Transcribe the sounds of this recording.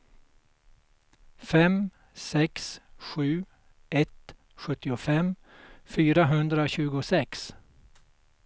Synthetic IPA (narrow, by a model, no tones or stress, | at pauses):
fɛm | sɛksɧʉ̟ː | ʔɛt̪ | ɧɵt̪ːɪʊfɛm | fyːɾaɦɵnd̪ɾaɕʉ̟ːɡʊsɛks